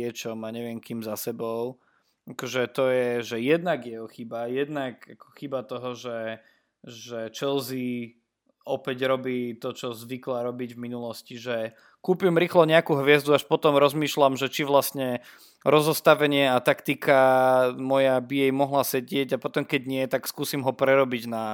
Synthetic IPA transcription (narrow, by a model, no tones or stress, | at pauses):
ɛt͡ʃɔmaɲɛʋɪɛmkiːmzasɛbɔʊ | akɔʒɛt̪ɔjɛʒɛjɛd̪naɡjɛɔxibajɛd̪nakakʰɔ̥xibat̪ɔɦɔʒɛ | ʒɛt͡ʃɛlzi | ɔpɛɟɾɔbiːt̪ɔt͡ʃɔzʋiklaɾɔbiɟvminulɔsciʒɛ | kuːpimɾiːxlɔɲɛakuːɦʋɪɛzd̪uaʃpɔt̪ɔmɾɔzmiːʃlamʒɛt͡ʃiʋlasɲɛ | ɾɔzɔst̪aʋɛɲɪɛat̪akt̪ikamɔjabijɛjmɔɦlasɛɟɪɛɟapɔt̪ɔmkɛɟɲɪɛt̪akskuːsimɦɔpɾɛɾɔbiɟna